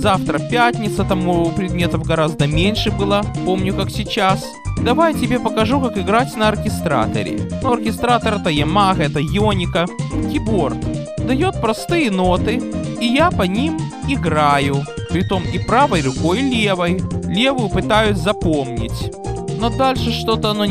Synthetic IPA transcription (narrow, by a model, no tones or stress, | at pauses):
zaft̪ɾəpʲætʲnʲɪt̪sət̪ɐmupɾʲɪd̪mʲe̞t̪əvɡɐɾazd̪əmʲenʲʂɨbɨlˠapo̞mnʲʊkaksʲɪt͡ɕas | d̪ɐvajtʲɪbʲe̞pəkɐʐukakɨɡɾatʲnəɐrkʲɪst̪ɾa̰t̪ə̰ɾʲɪ̰nuɐrkʲɪst̪ɾat̪ɐɾɛt̪əjɛmaɣɛt̪əjonʲɪkəkʲɪbo̞r | d̪ɐjo̞t̪̚pɾɐst̪ɨjəno̞t̪ɨijapɐnʲimɪɡɾajʊpɾʲɪt̪o̞mipɾavəjrʊko̞jlʲe̞vəjlʲe̞vʊjʊpɨt̪ajʊsʲzɐpo̞mnʲɪ̰tʲ | nod̪alʲʂɨʂt̪o̞t̪əɐno